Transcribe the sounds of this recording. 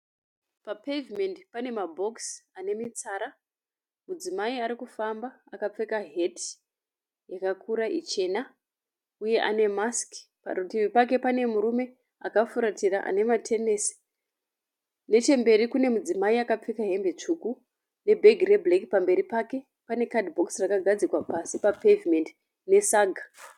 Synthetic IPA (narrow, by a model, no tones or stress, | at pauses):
papevime̞ndpane̞mabʱo̞ksane̞mit͡saːɾa | mud͡zimaiaɾikufambaakap͡fekaɦe̞t | jakakʰuɾaʔit͡ʃe̞na | uje̞ʔa̰ne̞mask | pa̰ɾutiʋipak̬e̞pane̞muɾume̞ | akafuɾatiraʔa̰ne̞matʰe̞nesi̥ | ne̞t͡ʃe̞mbe̞ɾikune̞mud͡zimaiakap͡fekaɦe̞mbet͡ʂuku | ne̞bʱe̞ɡʱire̞blekipambe̞ɾipake̞ | pane̞kadbʱo̞ksrakaɡʱad͡zikwapasipapevimend | ne̞saɡʱa